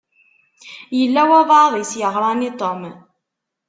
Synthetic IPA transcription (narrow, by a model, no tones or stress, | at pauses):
jəlːæwæðˤɑðˤisjəʁɾˤɑnit̪ˤom